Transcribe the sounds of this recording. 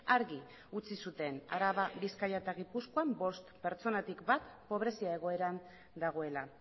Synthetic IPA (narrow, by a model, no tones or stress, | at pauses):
aɾɣi | ut͡sisut̪e̞na̰ɾaβaβiskajaet̪aɣipuskoambo̞st̪pe̞ɾt͡so̞nat̪ikbat̪po̞β̞ɾe̞siae̞ɣ̞o̞e̞ɾan | d̪aɣ̞o̞e̞la